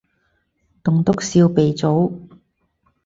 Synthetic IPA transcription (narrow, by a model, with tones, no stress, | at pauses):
t̪ʊ˨ŋt̪ʊ˥k̚siː˧wpe˨jt͡so˨˥w